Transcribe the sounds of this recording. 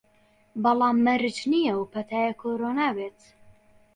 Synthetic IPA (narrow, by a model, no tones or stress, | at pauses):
bɑlˠɑːmːɐɾɨt͡ʃnijɛwpʰɐt̪ʰaːjakʰoːɾoːnaːbeːt̪